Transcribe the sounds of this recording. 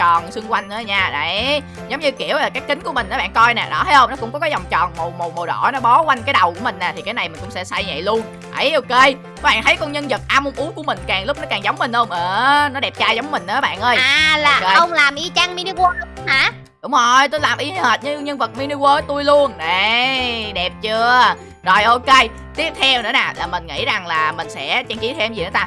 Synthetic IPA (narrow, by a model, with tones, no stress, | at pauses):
t͡ɕɔ̰˨˩nsɨ˧ŋkwa˧jŋ̟nɨ˧˩˦ɲaː˧˩ɗa˨j | zə˨˦wŋ͡mɲɨ˧ki˧˩əwlaː˨˩kaː˨˦˥kːï˨˦ŋ̟ku˧˩əmï˨˩ʔaː˨˦ɓa̰ː˧˨nkɔ˧jnɛ̰˨˩ɗɔ˧˦˥hə˨˦jhə˧wŋ͡mnɔ˨˦kʊ̰˧˥ŋ͡mkɔ˨˦kaː˨˦zɔ˨˩wŋ͡mt͡ɕɔ̰ː˨˩nmo˨˩mo˨˩mo˨˩ɗɔ̰˧˩jnɔ˨˦ɓɔ˨˦kwa˧jŋ̟kaː˨˦jɗə˨˩wku˧˩əmï˨˩ŋ̟nɛː˨˩t̪ʰi˨˩kaː˨˦jna˨˩jmï˨˩ʊ̰˧˥ŋ͡msɛ̰˧˥sa˧jɲa̰˧˨jlu˧ən | ʔə˨˦jʔo˧ke˧ | kɔ˨˦ɓa̰ː˧˨nt̪ʰə˨˦jkɔ˧nɲə˧nzə˨˩t̚ʔaː˧mo˧mʔu˨˦ku˧˩əmï˨˩ŋ̟kaː˨˩ŋlʊ˦˥k͡p̚nɔ˨˦kaː˨˩ŋzə˨˦wŋ͡mmï˨˩ŋ̟hə˧wŋ͡mʔəː˨˩nɔ˨˦ɗɛ˨˩p̚t͡ɕaː˧jzɔ˨˦wŋ͡mmːï˨˩ŋ̟nəː˧˨˦ɓa̰ː˧˨nʔəː˧jaː˨laː˧˨˩e˧xə˧wŋ͡mlaː˨˩mʔi˧˦t͡ɕa˧ŋmi˧ni˧ko˧ɗʊ˨˦haː˧˩˥ | ɗʊ˨˧˦ŋ͡mzo˨˩jt̪o˧jlaː˨˩mʔi˨˧˦həː˨˩t̚ɲɨ˧˦˧ɲə˧nvə˨˩t̚mi˧ni˧kwəː˧˦t̪u˧əjlu˧ənne˨˩ɗɛ˨˩p̚t͡ɕɨ˧ə | zɔ˨˩jʔo˧ke˧j | t̪i˦˥əp̚t̪ʰɛ˧wnɨ̰˧˥naː˨˩laː˨˩mï˨˩ŋ̟ŋḭ˧˥za˨˩ŋlaː˨˩mï˨˩ŋ̟sɛ̰˧˥t͡ɕa˧ŋt͡ɕi˨˦t̪ʰɛ˧mzi˨˩nɨ̰˨˦t̪aː˧